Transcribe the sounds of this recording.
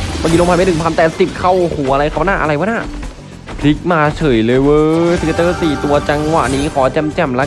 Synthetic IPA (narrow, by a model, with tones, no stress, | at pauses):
baː˧˩ki˧lo˧ŋpʰa˧ma˥˩nʰɯ˩˦mpʰa˧t̪ɛː˨˩si˨˩p̚kʰa˥˩whu˩˦ʔa˧ɾa˧jkʰa˧˩ba˦˥na˥˩ʔa˧ɾa˧jba˦˥naː˥˩ | pʰli˦˥k̚maː˧t͡ɕʰɤː˨˩˦jlɤː˧jwɤː˧sʰi˦˥ka˧t̪ɤː˥˩siː˨˩t̪u˧ɐt͡ɕa˧ŋwa̰˨˩ʔniː˦˥kʰɔː˩˦t͡ɕɛ˧mt͡ɕɛ˨˩mla˦˥